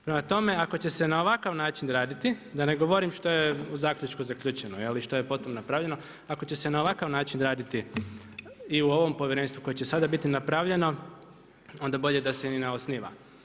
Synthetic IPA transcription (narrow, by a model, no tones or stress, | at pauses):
pɾemat̪o̞me̞akot͡ɕe̞senaoʋakaʋnaːt͡ʃinɾaːd̪it̪id̪ane̞ɡo̞ʋoɾimʃt̪o̞jeuzaːkʎʲut͡ʃkuzakʎuːt͡ʃenojeliʃt̪o̞jepo̞t̪omnapɾaʋʎe̞no̞ | ako̞t͡ɕe̞se̞naoʋakaʋnaːt͡ʃinɾaːd̪it̪i | iuo̞ʋo̞mpoʋjeɾeːnst̪ʋuko̞jet͡ɕesad̪abit̪inapɾaʋʎe̞no̞ | o̞nd̪abo̞ʎe̞d̪asenineosniʋa̰